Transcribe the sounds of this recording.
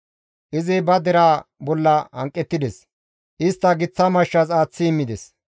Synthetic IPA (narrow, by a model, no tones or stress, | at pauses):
ʔɪzɪbɐd̪ɛɾaːbɔlːɐɐ̰ŋkʼːɛt̪ːɪd̪ɛs | ʔɪst̪ːɐɡɪt͡sːɐmɐʃːɐsaːt͡sːɪɪmːɪd̪ɛs